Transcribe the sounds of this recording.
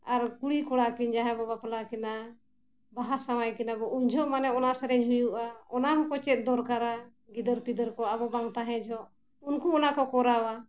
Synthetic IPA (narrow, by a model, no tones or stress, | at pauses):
aɾkuɽikɔɽakiɲd͡ʒaɦɛbɔbaplakina | baɦasawajkɛnabɔʔuɲd͡ʒʱɔʔmanɛɔnasɛɾɛɲɦujuʔaɔnaɦɔkɔt͡ʃɛt̪̚ˀd̪ɔɾkaɾa | ɡid̪ɔɾpid̪əɾkɔaβɔbaŋt̪aɦɛ̃d͡ʒʱɔʔ | unkuɔnakɔkɔɾawa